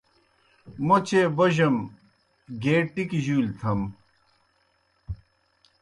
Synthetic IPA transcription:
mot͡ɕeːbɐʑɐm | ɡeːʈːikiʑuːlt̪ʰɐm

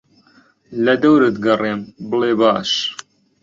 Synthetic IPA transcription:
lɐd̪ɐwɾɨt̪ɡɐreːmbɨleːbaːʃ

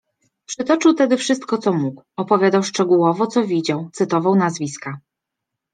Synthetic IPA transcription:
pʂɘt̪ɔt͡ʂɘwt̪ɛd̪ɘfʂɘs̬t̪̚kɔt̪sɔmukwɔpɔvʲjad̪awʂt͡ʂɛɡuwɔvɔt̪sɔvʲid͡ʑawt̪sɘt̪ɔvawnazvʲiska

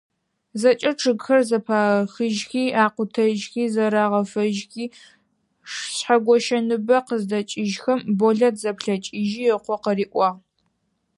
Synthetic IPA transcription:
zɐt͡ʃʼɐʈ͡ʂʰɨɡxɐrzɐpʰaːxɨʒxiːʔaːqʷʊtʰɐʒxiːzɐɾaːʁɐfɐʒxiː | ʂɕħaɡʷɔʃɐnɨbɐqəzdɐt͡ʃʼɪʒxɐmboɮɐtzɐpɬɐt͡ʃʼɪʒiɛqʷɔqəriːʔʷʼɑː

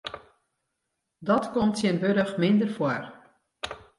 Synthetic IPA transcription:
dɔtkomtsjɪnbøɾəxmɪndərfwɔr

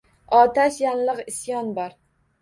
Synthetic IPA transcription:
ɒt̪ʰaʃjanlˠɨqɪsjɒnbɒɾ

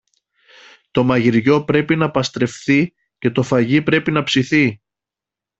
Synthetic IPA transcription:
t̪o̞mɐʝiɾʝo̞pɾe̞pinɐpɐst̪ɾe̞fθi | ce̞t̪o̞fɐʝipɾe̞pinɐpsiθi

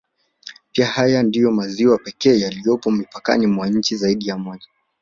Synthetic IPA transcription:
piahajandijɔmaziwapɛkɛːjalijɔpɔmipaka̰nimwaɲ̩t͡ʃizaiɗijamɔʄa

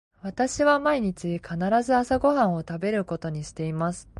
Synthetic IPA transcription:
βat̪aɕiβamaiɲ̟it͡ɕikʰanaɾazɨasaɡo̞ɦãɰ̃o̞t̪abe̞ɾɯ̟ko̞t̪o̞ɲ̟iɕi̥t̪e̞imasɨ̥

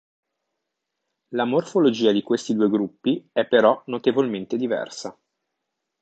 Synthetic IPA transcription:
lamorfolod͡ʒiːad̪ikwest̪id̪uːeɡɾupːiɛpːeɾɔnot̪evolment̪ed̪ivɛ̰rsa

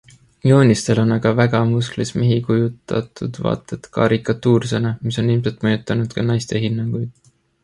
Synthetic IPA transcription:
jo̞ːnʲist̪e̞lo̞nɑɡ̥ɑvæɡ̥ɑmusklismeɦikujut̪ːˑɑ̰t̪ud̪̥vɑ̰ːt̪ˑːet̪kɑ̰ɾikːˑɑt̪ːˑuːrsenemiso̞nilmselt̪mɤjut̪ˑːɑnud̪̥kɑnɑjst̪e̞ɦinːɑŋɡ̥ujd̪̥

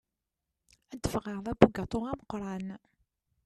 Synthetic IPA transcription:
æd̪ːəfʁəʁðˤæbuɡɑt̪ˤoʁæməqɾˤɑn

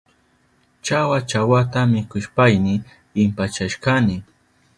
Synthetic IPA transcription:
t͡ʃawat͡ʃawat̪amɪkʊʃpajnɪ | ɪmpat͡ʃaʃkanɪ

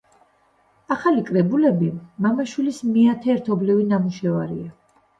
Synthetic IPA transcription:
aχalikʼɾɛbulɛbimamaʃwilismiat̪ʰɛːɾt̪ʰɔblivinamuʃɛvaɾḭa

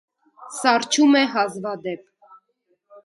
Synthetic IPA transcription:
sɑrt͡ʃʰumɛɦɑzvɑd̪ɛp̚

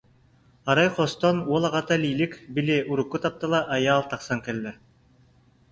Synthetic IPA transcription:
ɑɾɑjqost̪ɔnuɔlˠɑʁɑt̪alʲiːlʲikbilʲeːʔuɾukːut̪ɑp̚t̪ɯlˠɑʔɑjɑːlˠt̪ɑqsɑŋkɛlːɛ

